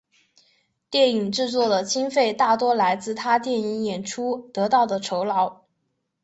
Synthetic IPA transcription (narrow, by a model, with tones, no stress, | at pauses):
t̪jɛ˥˩ni˨˩ŋʈ͡ʂɻ̩˥˧t͡swɔ˥˩d̪ə˩t͡ɕi˥nfe˥˧ɪt̪a˥˩t̪wɔ˥la˧˥ɪt͡sɹ̩˥˩t̪ʰa˥t̪jɛ˥˩ni˧˥ŋjɛ˨˩nʈ͡ʂʰu˥t̪ɤ˧˥t̪ɑ˥˩ʊd̪ə˩ʈ͡ʂʰo˧˥ʊlɑ˧˥ʊ